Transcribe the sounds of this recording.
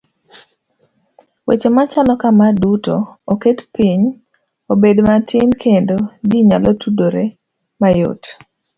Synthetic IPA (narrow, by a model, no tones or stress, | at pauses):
wḛt͡ʃomat͡ʃalɔkamaduto̰oketpiɲ | obedmatɪnkʰendodiɲalotʰudoɾe | majo̰t